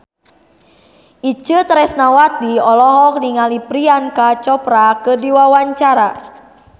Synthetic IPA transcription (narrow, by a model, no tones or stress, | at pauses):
ʔit͡ʃət̪ɾɛsnawat̪iɔlɔɦɔk̚niŋalipɾiankat͡ʃɔpɾakədiwawaɲt͡ʃaɾa